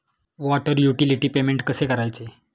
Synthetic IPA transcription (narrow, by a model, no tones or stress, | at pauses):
ʋɔʈəɾjuʈiliʈiːpemeɳʈkəsekəɾajt͡se